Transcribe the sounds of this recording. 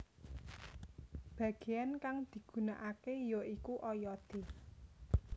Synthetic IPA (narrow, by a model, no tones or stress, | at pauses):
b̥ä̤ɡ̥e̤jankaŋd̪̥i̤ɡ̥ṳnaʔakejoʔikuʔɔjɔd̪̥e̤